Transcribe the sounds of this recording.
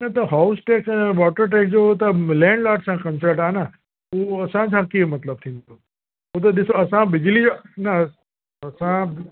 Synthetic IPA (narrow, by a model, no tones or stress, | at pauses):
nat̪oɦausʈekʋɔːʈəɾʈ̬ek̚d͡ʒoot̪alɛɳɖlaːʈsãkənsəɾʈana | oəsãt͡ʃʰãkimət̪ləb̚t̪ʰĩnt̪o | ot̪̬ɐd̪isoəsãbɪd͡ʒlid͡ʒona | əsã